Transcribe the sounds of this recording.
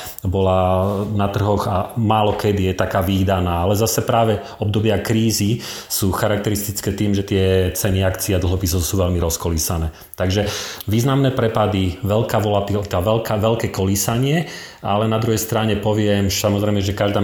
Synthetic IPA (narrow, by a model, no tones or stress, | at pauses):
bɔlanat̪r̩ɦɔɣamaːlɔkɛd̪ijɛt̪akaːʋiːd̪anaːalɛzasɛpɾaːʋɛ | ɔb̚d̪ɔbɪakɾiːzi | suːxaɾak̚t̪ɛɾist̪it͡skɛːt̪iːmʒɛt̪ɪɛt͡sɛniakt͡siad̪l̩ˠɦɔpisɔʊsuːʋɛlmiɾɔskɔliːsanɛː | t̪aɡʒɛʋiːznamnɛːpɾɛpad̪iʋɛlkaːʋɔlat̪it̪aːʋɛlkaʋɛlkɛːkɔliːsaɲɪɛ | a̰lɛnad̪ɾuɦɛjst̪ɾaɲɛpɔʋɪɛmsamɔzɾɛɪmɛʒɛkaʒd̪aː